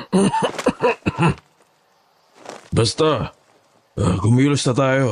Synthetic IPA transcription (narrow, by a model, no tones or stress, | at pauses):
bast̪a | kumilʊst̪at̪ajo